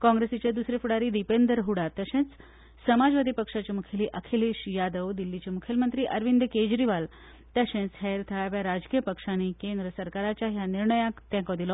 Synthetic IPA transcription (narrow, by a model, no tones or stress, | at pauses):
kɔ̃ŋɡɾesit͡ɕjad̪usɾefuɽaɾiːd̪ipend̪əɾɦuɽat̪əɕẽt͡s | səmad͡zʋad̪ʱipəkʂat͡ɕemukʰeliʔəkʰeliɕjad̪əʋd̪ilːit͡ɕemukʰjəlmənt̪ɾiːʔəɾʋind̪ked͡ʑɾiʋal | t̪əɕẽt͡sɦɛɾt̪ʰəaʋjaɾad͡zkijəpəkʂanikend̪ɾəsəɾkaɾat͡ɕjaɦjaniɾɳəjãkt̪ɛ̃kɔd̪ilɔ